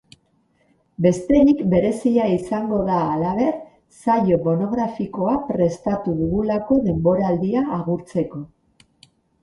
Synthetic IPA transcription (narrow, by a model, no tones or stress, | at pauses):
be̞st̪e̞nikbe̞ɾe̞siʎaisaŋɡo̞ðaːlaβ̞e̞ɾ | saʎo̞mo̞no̞ɣ̞ɾafiko̞apɾe̞st̪at̪uðuɣulako̞ðe̞mbo̞ɾald̪iaːɣ̞uɾt͡se̞ko̞